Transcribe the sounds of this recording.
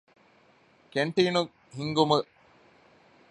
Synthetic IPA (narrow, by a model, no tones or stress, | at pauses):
keɳʈinu | ɦiŋɡumɨ